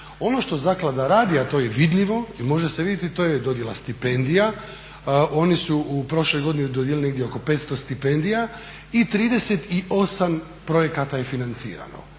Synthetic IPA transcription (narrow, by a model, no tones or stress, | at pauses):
o̞no̞ʃt̪o̞zaklad̪aɾaːd̪iat̪o̞ːjeʋid̪ʎiʋo̞imo̞ʒeseidjet̪it̪o̞jed̪o̞d̪jelast̪ipend̪ija | o̞nisuupɾo̞ʃlo̞jɡod̪inid̪od̪jelineɡd̪jeo̞ko̞pe̞ːt̪st̪o̞st̪ipe̞nd̪ija | it̪ɾiːd̪e̞set̪iʔo̞sam | pɾo̞je̞kat̪ajefinant̪sḭːɾa̰no̰